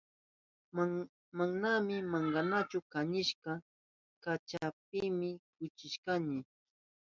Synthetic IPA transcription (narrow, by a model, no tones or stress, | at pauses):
maŋnamɪmaɴɢɑnat͡ʃʊkaɲɪʃɢɑ | kat͡ʃap̚ɪmɪkʊt͡ʃɪʃkanɪ